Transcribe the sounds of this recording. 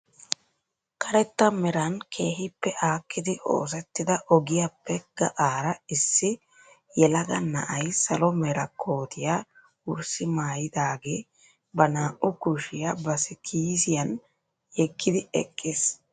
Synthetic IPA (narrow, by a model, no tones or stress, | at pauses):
kʰɐɾɛt̪ːɐmɛɾɐnkʰe̞ːɦɪpːɛʔaːkːɪd̪ɪʔo̰ːs̬ɛt̪ːɪd̪ɐʔɔɡɪjapʰːɛɡ̥ɐ̰ʔaːɾɐɪsːɪ | jɛlɐɡɐnɐ̰ʔɐjsɐlɔmɛɾɐkʰoːt̪ʰɪja | ʊɾsɪmaːjɪd̪aːɡeː | bɐnaːʔʊkʊʃɪjabɐsɪkʰiːsɪjɐn | jɛkːɪd̪ɪɛ̰kʼːɪs